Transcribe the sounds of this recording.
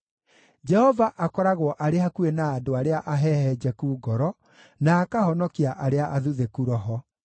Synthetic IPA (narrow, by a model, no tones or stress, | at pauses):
d͡ʒɛhɔvaʔakɔɾaɣwɔʔaɾehakuenaːdoaɾeaʔaɦɛhɛd͡ʑɛkuːɡɔɾɔ | naːkahɔnɔkiaʔaɾeaʔaðuðekuɾɔɦɔ